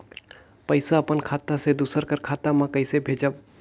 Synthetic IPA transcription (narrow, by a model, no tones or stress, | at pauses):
pəɪsaɐpənkʰaːt̪ased̪usəɾkəɾkʰaːt̪amãkəɪsebʱeːd͡ʒəb̚